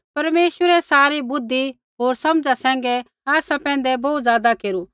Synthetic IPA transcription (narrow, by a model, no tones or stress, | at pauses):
pɐɾmeːʃwəɾɛsaːɾibʊd̪ːi | ɦoːɾsɐmd͡ʒasɛ̃ːŋ̆ɡɛ | aːsapɛ̃ːnd̪ɛbɔːt̪zjaːd̪akeːɾu